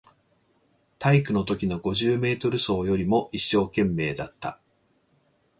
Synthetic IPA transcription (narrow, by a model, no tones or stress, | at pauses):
t̪aikɯ̟no̞t̪o̞kʲino̞ɡo̞ʑɨːme̞ːt̪o̞ɾɯ̟so̞ːjo̞ɾʲimo̞ʔiɕːo̞ːkẽ̞mːe̞ːd̪at̪ːa̰